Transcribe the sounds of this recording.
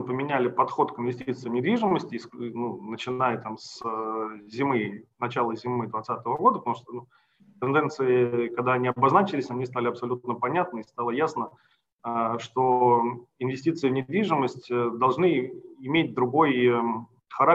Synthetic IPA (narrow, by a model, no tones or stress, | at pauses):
pəmʲɪnʲælʲɪpɐt̪xo̞t̪kɪnvʲɪsʲtʲit̪sɨjɪvnʲɪd̪vʲiʐɨməsʲtʲɪsnunət͡ɕɪnajət̪ams | zʲɪmɨnɐt͡ɕalˠəzʲɪmɨd̪vɐt̪sat̪əvəɡo̞d̪əpət̪ɐmuʂt̪onu | t̪ɨnd̪ɛnt̪sɨɪkɐɡ̚d̪aɐnʲiɐbɐznat͡ɕɪlʲɪsʲɐnʲist̪alʲɪɐpsɐlʲut̪nəpɐnʲat̪nəɪst̪alˠəjasnə | əʂt̪o̞ɪnvʲɪsʲtʲit̪sɨɪvnʲɪd̪vʲiʐɨməsʲtʲd̪ɐlˠʐnɨɪmʲet̚ʲd̪ɾʊɡo̞jə | xɐɾa